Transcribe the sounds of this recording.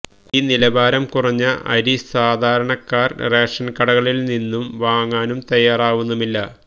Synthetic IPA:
iːnilɐbaːɾɐmkurɐɲːɐɐ̰ɾisaːd̪ʱaːɾɐɳɐkːaːrre̞ːkʂɐnkɐɽɐɣɐɭilninːumʋaːŋːaːnumt̪ɐjaːraːʋunːumilːɐ

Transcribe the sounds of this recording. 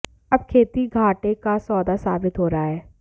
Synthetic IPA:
ɐb̚kʰeːt̪iɡʱaːʈekasɔːd̪asaːbɪt̪ɦoːɾaaɦɛː

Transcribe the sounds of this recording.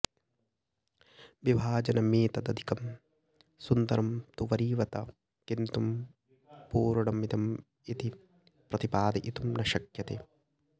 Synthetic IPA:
ʋibʱaːd͡ʒɐnɐmiːt̪ɐd̪ɐd̪ʱi̥kɐm | sund̪ɐɾɐmt̪uʋɐɾiːʋɐt̪ɐ | kint̪um | puːɾuɽɐmid̪ɐm | it̪i | pɾɐt̪ipaːd̪ɐʔit̪umnɐʃɐkjɐt̪eː

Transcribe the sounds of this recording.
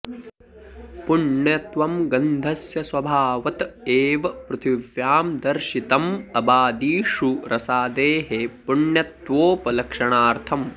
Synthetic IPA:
puɳjɐt̪ʋɐmɡɐnd̪ʱɐsjɐsʋɐbʱaːʋɐt̪eːʋɐpɾut̪ʰiʋjaːmd̪ɐɾʃit̪ɐmɐbaːd̪iːʂuɾʔɐsaːd̪eːɦepuɳjɐt̪ʋoːpɐlɐkʂɐɳaːɾt̪ʰɐm

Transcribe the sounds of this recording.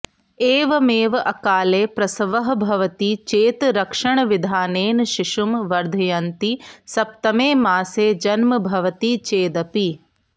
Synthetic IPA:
eːʋɐmeːʋɐʔɐkaːleːpɾɐsɐʋɐɦɐ̆bʱɐʋɐt̪it͡ʃeːt̪ɾɐkʂɐɳɐʋid̪ʱaːneːnʃiʃumʋɐɾd̪ʱɐjɐnt̪isɐp̚t̪ɐmeːmaːseːd͡ʒɐnmɐbʱɐʋɐt̪it͡ʃeːd̪ɐpi

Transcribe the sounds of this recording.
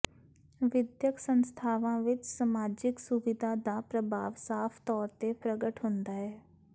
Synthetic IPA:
ʋɪd̪jəksənst̪ʰaːʋãːʋɪt͡ʃsəmaːd͡ʒɪksʊʋɪd̪ʱaːd̪aːpɾəbʱa̰ːʋsaːpʰt̪ɔːɾt̪epɾəɡəʈɦʊ̃nd̪aːɦɛː

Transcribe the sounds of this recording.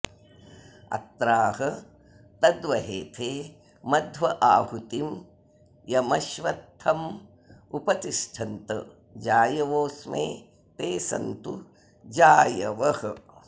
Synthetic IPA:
ɐ̰t̪ɾaːɦɐ | t̪ɐd̪ʋɐɦeːt̪ʰeː | mɐd̪ʱʋɐʔaːhut̪im | jɐmɐʃʋɐt̪ʰhɐm | upɐt̪iʂʈʰɐnt̪ɐ̰ | d͡ʒaːjɐʋoːsmḛː | t̪eːsɐ̰nt̪u | d͡ʒaːjɐʋɐhɐ

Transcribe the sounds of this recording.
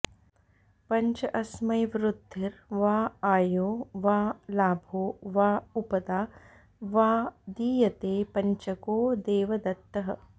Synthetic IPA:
pɐɲt͡ʃɐʔɐsmɐjʋɾud̪ʱːiɾʋaːaːjoːʋaːlaːbʱoːʋaːupɐd̪aː | ʋaːd̪iːjɐt̪eːpɐɲt͡ʃɐkoːd̪eːʋɐd̪ɐt̪ːɐɦɐ

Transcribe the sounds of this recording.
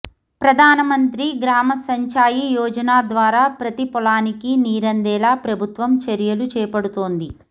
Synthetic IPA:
pɾɐd̪ʱaːnɐmɐnt̪ɾiɡɾaːmɐsɐɲt͡ʃaːjijɔːd͡ʒɐnaːd̪ʋaːɾaːpɾɐt̪ipɔlaːnikiniːɾɐnd̪ɛːlaːpɾɐbʱut̪ʋɐmt͡ʃɐɾjɐlut͡ʃɛːpɐɽut̪o̞ːnd̪i

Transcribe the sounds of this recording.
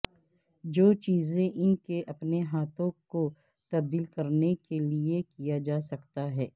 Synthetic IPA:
d͡ʒoːt͡ʃiːzẽʔɪnkeʔɐpneɦaːt̪ʰõko | t̪ɐb̚d̪iːlkɐɾnekeliekijad͡ʒaːsɐkt̪aɦɛː

